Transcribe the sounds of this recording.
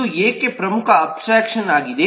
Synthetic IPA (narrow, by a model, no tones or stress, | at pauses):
ujeːkːepɾɐmukʰɐːpsɾaːkʃɐnaːɡid̪e